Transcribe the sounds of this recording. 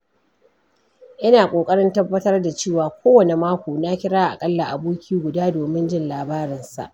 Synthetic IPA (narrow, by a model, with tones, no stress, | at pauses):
ʔɪ˦naː˨kʷʼoː˨kʼɐ˦ɽɪ˦ntɐ˦bːɐ˦tɐ˦rda˨t͡ʃeː˦˨waː˨kʷʰoː˦wɐ˨ne˨maː˦kʷoː˨na˦kʲɪ˦ɽaː˦ʔa̰˨kʼɐ˦lːa˨ʔa˨boː˦kʲʰiː˦ɡʷʊ˨daː˦doː˨mɪ˦nd͡ʒɪ˦˨nlaː˨baː˦ɾɪ˨nsa̰˨ʔ